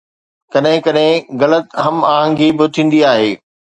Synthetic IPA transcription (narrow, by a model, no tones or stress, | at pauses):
kɐɗɦɪ̃kɐɗɦɪ̃ɣɐlət̪ɦɐmaːɦə̃ŋɡibɪt̪ʰĩːn̆d̪iaːɦeː